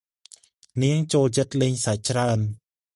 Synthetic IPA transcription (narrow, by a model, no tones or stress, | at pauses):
niəŋt͡ɕoːlt͡ɕət̪̚lɨɲsat͡ɕraən